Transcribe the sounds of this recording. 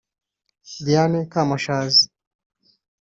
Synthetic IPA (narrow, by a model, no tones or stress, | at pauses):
dianɛkamaʃazi